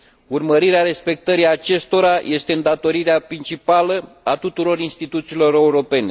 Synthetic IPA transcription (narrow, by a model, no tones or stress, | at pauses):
urməɾiɾeaɾe̞spe̞k̚t̪əɾiat͡ʃe̞st̪o̞ɾajʔe̞st̪e̞ɨnd̪at̪o̞ɾiɾeapɾint͡ʃipalə | at̪ut̪uɾo̞ɾinst̪it̪ut̪siːlo̞ɾe̞uɾo̞pe̞ne̞